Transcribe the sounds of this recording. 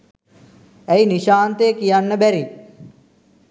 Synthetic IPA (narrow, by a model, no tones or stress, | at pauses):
æiniʃaːnt̪eːkijanːəbæɾi